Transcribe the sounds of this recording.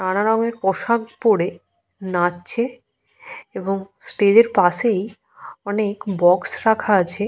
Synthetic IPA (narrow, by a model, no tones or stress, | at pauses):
nanaɾɔŋeɾpɔʃaɡpoɽe | natːɕʰe | eboŋ | sʈed͡ʑeɾpaʃej | ɔnekbɔksɾakʰaat͡ɕʰe